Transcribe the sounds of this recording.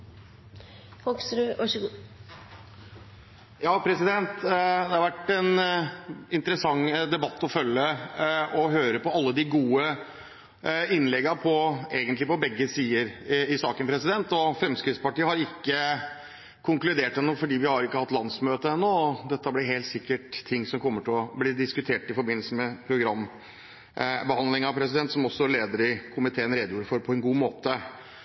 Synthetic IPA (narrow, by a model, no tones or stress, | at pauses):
fɔksɾɑʂ | jɑːpʰɾɛsɪd̪ɛnt̪d̪ɛhɑɾʋæʈːɛn | ɪnt̪əɾəsɑŋːd̪ɛbɑt̪ːɔfœlːə | ɔɦøːɾəpɔɑlːəd̪ɪɡuːə | ɪnːlɛɡːɑpʰɔeːɡənt̪lɪpɔbɛɡːəsiːəɾɪsɑːkənpɾɛsɪd̪ɛnt̪ɔfɾɛmskɾɪt̪spɑʈiːəhɑɾɪkːə | kʰʊŋklʉd̪eːʈɛnːoːfɔɖiːʋɪhɑɾɪkːəhɑt̪ːlɑnsmøːt̪əɛnːoːɔd̪ɛt̪ːəblɪɾɦeːlt̪sɪkːəʈt̪ʰɪŋːsɔmkʰɔmːəʈʰɪlɔblɪːd̪ɪskʉt̪ʰeːʈɪfɔɾbɪnl̩səmɛpʰɾʊɡɾɑmː | bəhɑnd̪lɪŋɑpʰɾɛsɪd̪ɛnt̪sɔmɔsːɔleːd̪əɾɪkʰʊmɪt̪ʰeːənɾed̪juːɾəfɔɾpʰɔɛnɡuːmoːt̪ə